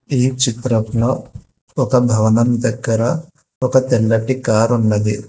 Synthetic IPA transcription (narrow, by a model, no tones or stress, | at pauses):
iːt͡ʃit̪ɾɐpno | ɔkɐbʱɐʋɐnɐmd̪ɐɡːɐɾɐ | ɔkɐt̪ɛlːɐʈikaːɾunːɐd̪i